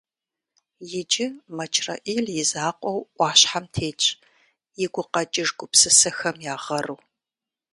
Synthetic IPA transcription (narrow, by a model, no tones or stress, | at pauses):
jɪd͡ʒɪmɐt͡ʃʰrɐ̰ʔiːljɪzaːqʷʼɔwʔʷɑːɕħamtʰeːt͡ʃʼ | jɪɡʷʊqɐt͡ʃʼɪʐɡʷʊpsɨsɐxɐmjaːʁɐrɨw